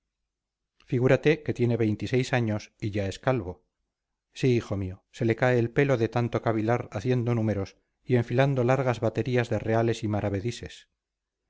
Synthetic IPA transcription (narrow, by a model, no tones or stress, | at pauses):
fiɣ̞uɾat̪e̞ke̞t̪je̞ne̞βe̞jnt̪ise̞jsaɲo̞siʝae̞skalβo̞ | siixo̞mio̞se̞le̞kae̞ːlpe̞lo̞ðe̞t̪ant̪o̞kaβilaɾaθje̞nd̪o̞nume̞ɾo̞s | ie̞ɱfiland̪o̞laɾɣazβat̪e̞ɾiazðe̞re̞ale̞simaɾaβe̞ðise̞s